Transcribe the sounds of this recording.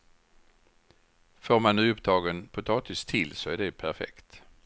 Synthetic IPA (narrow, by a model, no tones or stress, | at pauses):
foːɾmanːʉ̟ːɵpd̪ɑːɡənpʰʊt̪ʰɑːt̪ɪst̪ʰɪlsɔæɖɛpʰæɾfɛ̰kt̪